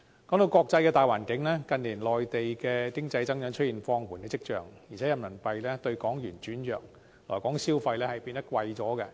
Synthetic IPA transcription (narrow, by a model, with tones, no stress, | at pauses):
kɔː˨˥ŋt̪o˧wkɔː˧k̚t͡sɐ˧jkɛː˧t̪aː˨jwaː˨˩nkɪ˨˥ŋlɛː˥kɐ˨˧nliː˨˩nlɔː˨jt̪e˨jkɛː˧kɪ˥ŋt͡sɐ˧jt͡sɐ˥ŋjœ˨˧˥ŋt͡ʃʰɵ˥t̚jiː˨˩nfɔː˧ŋwuː˨˩nkɛː˧t͡sɪ˥k̚t͡ʃœ̰ː˨ŋji˨˩t͡sʰɛ˨˥jɐ˨˧mnɐ˨˩npɐ˧jlɛː˥t̪ɵ˧ɥkɔː˨˥ŋjyː˨˩nt͡ʃyː˨˥njœː˨k̚ | lɔ̰ː˨˩jkɔː˨˥ŋsiː˥wfɐ˧jlɛː˥hɐ˨jpiː˧nt̪ɐ˥t̚kwɐ˧jt͡sɔː˨˥kɛ˧